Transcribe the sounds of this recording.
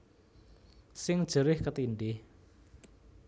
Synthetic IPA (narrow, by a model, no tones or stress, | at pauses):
sɪŋd̥ʒ̥əɾɪhkət̪iɳɖɪh